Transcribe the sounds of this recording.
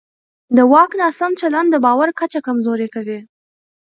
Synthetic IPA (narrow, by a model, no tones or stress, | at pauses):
d̪əwɑknɑsant͡ʃaland̪d̪əbɑwaɾkat͡ʃakamzoɾekawi